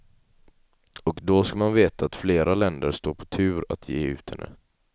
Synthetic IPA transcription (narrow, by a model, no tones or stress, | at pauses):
ɔkd̪ɔskamanveːt̪aːt̪fleːɾʔalɛnd̪əɾʂt̪oːɾpʰɔ̥t̪ʰʉ̟ːɾa̰t̪ʰjeːʉ̟ːt̪hɛ̰nːə̰